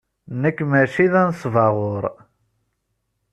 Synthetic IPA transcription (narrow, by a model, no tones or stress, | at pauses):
nəkːmæʃiðænsˤvɑʁʊɾˤ